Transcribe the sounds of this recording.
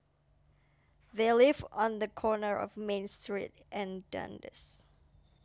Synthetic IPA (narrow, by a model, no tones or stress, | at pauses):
ðelɪvə̃nðəkʰɔnəɹɔ̰vmẽnstɹḭt | ʔɛ̃ndʌ̰̃ndɨ̰s